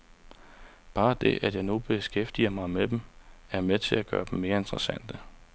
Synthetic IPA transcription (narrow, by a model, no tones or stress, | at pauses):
b̥ɑ̈ːd̥e̝ʔæd̥jɑ̈ɪnub̥e̝sɡ̥efd̥iɐmɑ̈ɪmed̥emæɐmet͡sʰe̝læɡ̥ɶ̰ːɐd̥em̩me̝ːɐe̝nd̥ʁɐsæn̰d̥ə